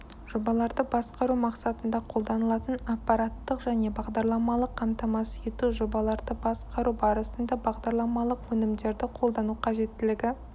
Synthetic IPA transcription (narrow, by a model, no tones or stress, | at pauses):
ʒ̥o̞bɑlˠɑɾd̪əbɑsqɑɾumɑqsɑt̪ənd̪ɑqʰo̞lˠd̪ɑnəlˠɑt̪ənɑpːɑɾat̪ːəqʒæne̞bɑʁd̪ɑɾlˠɑmɑlˠəqʰːɑmt̪ɑmɑsjet̪uʒo̞bɑlˠɑɾd̪əbɑsqɑɾubɑɾəsənd̪ɑbɑʁd̪ɑɾlˠɑmɑlˠəqwɵnɪmd̪e̞ɾd̪ɪqʰo̞lˠd̪ɑnuqʰɑʒe̞t̪ːɪlɪɡʲɪ